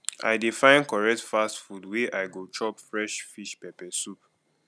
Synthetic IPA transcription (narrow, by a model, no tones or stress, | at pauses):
ʔa̰ɪdifãɪ̃nkɔɹɛk̚tfastfudweʔaɪɡot͡ʃʰɔpfɹɛʃfiʃpɛpɛsup